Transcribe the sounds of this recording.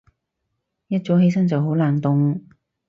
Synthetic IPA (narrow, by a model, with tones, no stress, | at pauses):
jɐ˥t̚t͡so˨˥wɦe˧jsɐ˥ŋt͡sɐ˨wɦo˨˥wlaː˨nt̪ʊ˨ŋ